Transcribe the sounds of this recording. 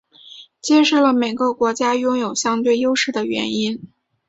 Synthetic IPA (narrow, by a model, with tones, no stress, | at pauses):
t͡ɕjɛ˥ʂo˥˩lə˩me˨˩ɪɡə˧kwɔ˧˥t͡ɕja˥jʊ˥ŋjo˨˩ʊɕjɑ˥ŋt̪we˥˩ɪjo˥ʊʂɻ̩˥˩d̪ə˩ɥɛ̰˧˥ni˥n